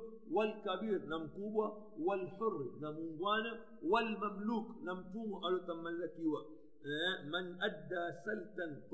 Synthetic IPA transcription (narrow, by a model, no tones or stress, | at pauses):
walkabiːɾnamkuba | walħʊrːnamuŋɡwana | walmamluːknamtumaʔalotamːalːakiwa | manʔad̪ːaːsaltant